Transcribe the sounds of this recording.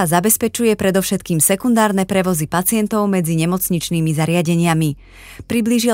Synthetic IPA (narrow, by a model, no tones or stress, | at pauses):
azabɛspɛt͡ʃujɛpɾɛd̪ɔʊʃɛt̪̚kiːmsɛkund̪aːɾnɛpɾɛʋɔzipat͡sɪɛnt̪ɔʊmɛd͡ziɲɛmɔt͡sɲit͡ʃniːmizaɾɪaɟɛɲɪami | pɾibliʒi